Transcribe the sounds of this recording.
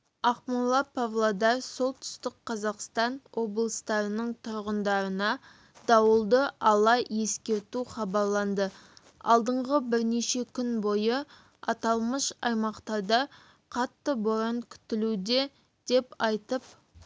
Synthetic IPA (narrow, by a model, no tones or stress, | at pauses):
ɑχmʊlˠːɑpʰavlˠod̪ɑɾso̞lˠt̪ʰʏ̥st̪ɪqqʰːɑzɑqst̪ɑnwo̞blˠəst̪ɑɾənəɴt̪ʰʊɾʁənd̪ɑɾənɑ | d̪̥ɑwəlˠd̪əʔɑlˠɑje̞skʲe̞ɾt̪uχɑbɑɾlˠɑnd̪ə | ɑ̰lˠd̪əɴʁəbɪɾneʃe̞kʲʰʏnbo̞jə | ɑt̪ɑlˠməʃɑjmɑqt̪ɑd̪ɑ | qʰɑt̪ːəbʊɾəŋkʲʰʏ̥t̪ɪlud̪e̞ | d̪̥e̞pɑjt̪əp̚